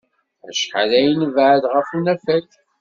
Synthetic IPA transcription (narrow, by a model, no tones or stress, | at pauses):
æ̰ʃħalæjənvʕðʁəfunæfæk